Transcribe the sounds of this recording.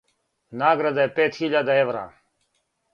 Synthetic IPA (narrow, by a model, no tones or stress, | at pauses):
naːɡɾad̪ajepeːt̪xiʎad̪aeʋɾa̰ː